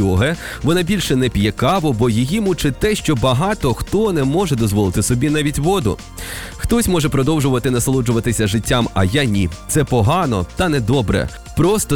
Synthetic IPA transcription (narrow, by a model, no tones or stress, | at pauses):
ɔɦɛ | ʋɔnɑbʲilʲʃɛnɛpʲjɛkɑʋɔbɔjijimut͡ʃɪt̪ɛʃt͡ʃɔbɐɦɑt̪ɔxt̪ɔnɛmɔʒɛd̪ɔzʋɔlˠɪt̪ɪsɔbʲinɑʋʲitʲʋɔd̪ʊ̰ | xt̪ɔsʲmɔʒɛpɾɔd̪ɔwʒʊʋɐt̪ɪnɐslˠud͡ʒʊʋɐt̪ɪsʲɐʒɪtʲːamɐ̰janʲit̪sɛpɔɦɑnɔt̪ɐnɛd̪ɔbɾɛ̰ | pɾɔst̪ɔ